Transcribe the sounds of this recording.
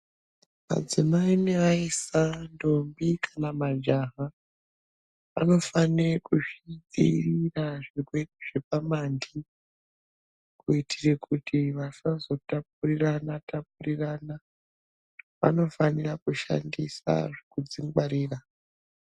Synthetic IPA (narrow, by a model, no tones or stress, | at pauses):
ma̰d͡zimaineʋaisando̞mbikʰanamad͡ʒaɦa | ʋa̰no̞fanekuʂiɗiiraʐikweiʐ̥epamandi | kuitirekutʰiʋasazo̞tap̚uriranatap̚urirana | ʋa̰no̞fanirakuʃa̰ndisa̰ʐikud͡ziŋɡaɾiːra